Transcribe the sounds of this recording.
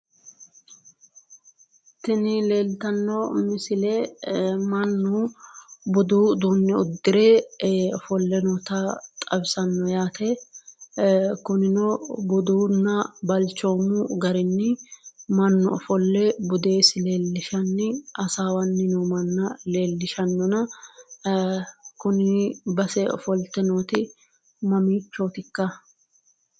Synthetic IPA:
t̪ɪnɪle̞ːlt̪ɐnːɔmɪsɪlɛ | mɐnːʊ | bɔd̪ud̪uːnːɛʊd̪ːɪɾefɔlːɛnɔt̪ɐt̪ʼɐbsɐnːɔjaːt̪ɛ | kʊnɪnɔbʊd̪uːnːɐbɐlt͡ʃːoːmʊɡɐɾɪnːɪmɐnːɔfɔlːɛbʊd̪e̞ːsɪle̞ːlːɪʃɐnːɪʔɐsaːwɐnːɪnɔmɐnːɐle̞ːlːɪʃɐnːɔnɐ | kʊnɪbɐsɛɔfɔlt̪ːɛnoːt̪ɪ | mɐmiːt͡ʃːoːt̪ɪkːɐ

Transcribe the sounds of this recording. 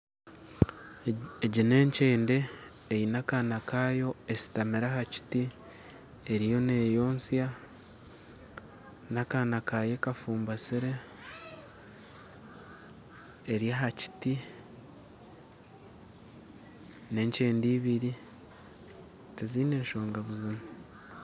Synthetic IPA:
eɟine̞ːɲceːnde̞ː | jinakanakaːjo̞esi̥tameɾahaci̥ti | eɾijo̞ne̞jo̞ːnsja | nakanakaje̞kafuːmbasiɾe | ɾjaɦaci̥ti | ne̞ːɲt͡ʃe̞ːndiːβiɾi | tiziːne̞ːnʃo̞ːŋɡaβuzimu

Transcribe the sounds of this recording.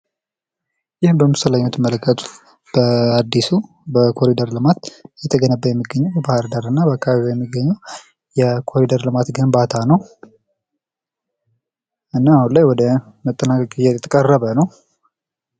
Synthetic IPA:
jɪhbəmːɨst̪ʰəlaɲːot̪ʰɨmːələkʰːət̪ʰu̥ | b̥əad̪ːisu | bəkʰo̞ɾid̪əɾlɨmat̪jɛt̪ʰəɡənəbːəjɛmːiɡːəɲːɛwbəbahɾd̪aɾɨnːabəakʰːaβaiβojɛmːiɡəɲːɛw | jɛkʰo̞ɾid̪əɾlɨmat̪ɡɨnbat̪ʰanəw | ʔɨnːaːhunlajwɔd̪ə | mət̪ʼːənakʼakʼijɛt̪ʰʼːəkʼərːəβənəw

